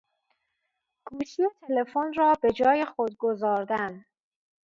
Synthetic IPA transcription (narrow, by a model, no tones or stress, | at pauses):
ɡ̥uːʃijet̪ʰe̞le̞fonrɒːbe̞d͡ʒɒːje̞xod̪̚ɡo̞zɒːɾd̪æn